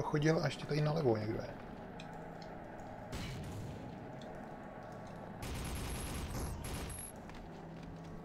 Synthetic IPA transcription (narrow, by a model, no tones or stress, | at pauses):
oxoɟɪlaɛʃcɛt̪adɪnalɛvoɲɛɡdɛ̰